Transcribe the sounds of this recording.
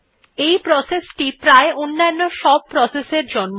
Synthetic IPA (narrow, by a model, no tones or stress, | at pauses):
ejpɾɔsesʈipɾaeonːanːoʃɔb̚pɾɔseseɾd͡ʑɔnm